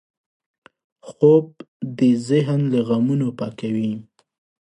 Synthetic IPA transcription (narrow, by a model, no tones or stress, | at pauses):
xob̚ | d̪əzɪɦnlaɣamunopɑkawi